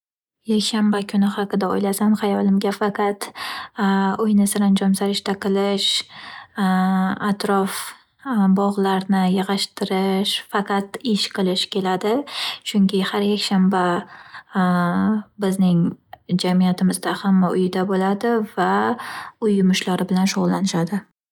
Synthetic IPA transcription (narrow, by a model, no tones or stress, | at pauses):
jakʲʃambakʲʰʊnɪhɑqɨd̪ao̰jlasanχɑjɒlˠɪmɡʲafaqɑt̪ | ʊjnɪsɪɾand͡ʒɒmsaɾɪʃt̪aqʰɨlˠɪʃ | at̪ɾɒf | bɒʁlˠaɾnɪjɨʁɑʃt̪ʰɪɾɪʃfɑqɑt̪ɪʃqʰɨlˠɪʃkʲʰe̞lad̪ɪt͡ʃʰʊŋkʲʰɪhaɾjakʲʃamba | bɪznɪŋd͡ʒamijat̪ʰɪmɪzd̪ahamːaʊjɪd̪abolad̪ɪva | ʊjːʊmʊʃlaɾɪbɪlanʃoʁlˠːanɪʃad̪ɪ